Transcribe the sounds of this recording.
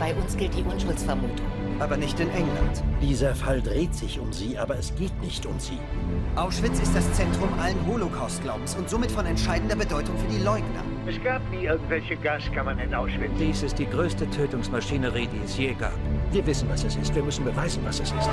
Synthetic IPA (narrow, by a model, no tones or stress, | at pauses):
b̥aɪʔʊnsɡ̥ɪlt̚d̥iːʔʊnʃʊlsfɛɐmuːtʰʊŋ | ʔaːbɐnɪçtɪnʔɛŋla̰ntd̥iːzɐfaldʁeːtz̥ɪçʊmziːʔaːbɐɛsɡ̥eːtnɪçtʊmzḭːʔaʊʃv̥ɪt͡sɪst̚d̥ast͡sɛntʁ̥ʊmʔalənɦolokʰaʊstɡ̥laʊbm̩sʊntz̥oːmɪtfɔnɛntʃaɪdn̩dɐbədɔʏtʊŋfyːɐdiːlɔʏɡnɐ̰ | ʔɛsɡ̥aːp̚niːʔɪɐɡŋ̩tv̥ɛlçəɡaskʰamɐnɪnʔaʊʃv̥ɪt͡sd̥iːsɪst̚d̥iːɡʁøːstətʰøːtʊŋsmaʃiːnəʁiːdiːɛsjeːɡa̰ːpviːɐvɪsn̩vasɛsɪstv̥iːɐmʏsn̩bəvaɪzn̩vasɛsɪst